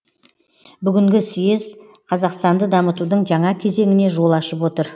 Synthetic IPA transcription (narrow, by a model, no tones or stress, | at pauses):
bʏɡʲɪŋɡʲɪsijez | qʰɑzɑqst̪ɑnd̪əd̪ɑmət̪ud̪əɴʒɑɴɑkʲʰe̞ze̞ŋɪne̞ʒo̞lˠɑʃəpwo̞t̪əɾ